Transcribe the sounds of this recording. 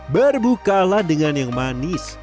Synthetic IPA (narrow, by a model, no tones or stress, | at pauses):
bərbukalahdəŋanjaŋmanɪs